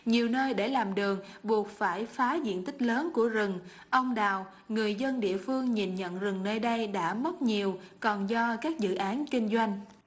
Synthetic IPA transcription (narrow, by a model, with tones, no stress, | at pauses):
ɲi˨˩əwnəː˧jɗe˧˩laː˨˩mɗɨ˨˩əŋɓu˨˩ək̚faː˧˩jfaː˨˦zḭ˧˨ənt̪ï˦˥k̟̚ləː˨˦nku˧˩əzɨ˨˩ŋ | ʔə˧wŋ͡mɗaː˨˩w | ŋɨ˨˩əjzə˧nɗḭ˧˨əfɨ˧əŋɲi˨˩nɲə̰˧˨nzɨ˨˩ŋnəː˧jɗə˧jɗa̰ː˧˥mə˦˥t̚ɲi˨˩əwkɔ˨˩nzɔ˧kaː˦˥k̚zɨ̰˧˨ʔaː˨˦nkï˧ŋ̟zwa˧jŋ̟